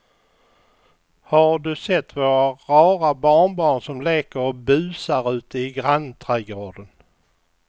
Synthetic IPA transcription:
haɖɵsɛt̪ʰːvoːɾaɾɑːɾabɑːɳbɑːɳsɔmleːkəɾɔbʉ̟ːsaɾʉ̟ːt̪əɪɡɾant̪ʰɾɛɡɾoːɖ̪ən

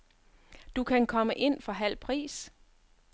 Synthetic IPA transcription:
d̥ukʰænkʰɒ̽məʔe̝n̰fɒ̽ɦæl̰pʰʁḭːs

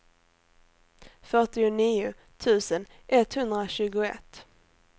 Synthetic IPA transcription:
fœʈɪʊniːʊ | t̪ʰʉ̟ːsən | ʔɛt̪hɵnd̪ɾaɕʉ̟ːɡʊɛ̰t̪ː

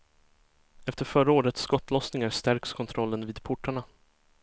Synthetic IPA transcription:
ɛft̪əɾfœɾaoːɾət̪skɔt̪ːlɔsnɪŋaɾst̪æɾkskʰɔnt̪ʰɾɔlːənviːd̪pʰʊʈʰːaɳa

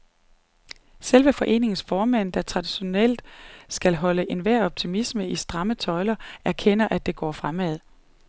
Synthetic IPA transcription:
selʋəfɒ̽ʔe̝̰ːne̝ŋsfɒːmæn̰d̥æt͡sʰʁɑ̈d̥iɕo̝nel̰d̥sɡ̥ælɦɒ̽ləʔe̝nʋæɐ̰ɒ̽b̥̚t͡sʰimisməisd̥ʁɑ̈mət͡sʰɒ̽ɪlɐæɐkʰen̰ɐʔæd̥e̝ɡ̥ɒ̰ːfʁamæð̞̰ˠ

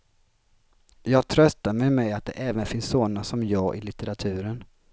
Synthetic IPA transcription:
jɑːɡt̪ʰɾœst̪amɛmɛjat̪̚d̪ɛ̰ʔɛːvənfɪnsːoːnasɔmjɑːɡʔɪ̰lɪt̪ɛɾat̪ʰʉ̟ːɾən

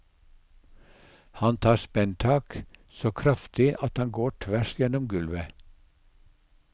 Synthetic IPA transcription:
hɑnt̪ʰɑːspɛnt̪ʰɑːksoːkʰɾɑft̪ɪʔɑt̪hɑŋɡoːʈʰʋæʃjɛnɔmɡʉlʋə

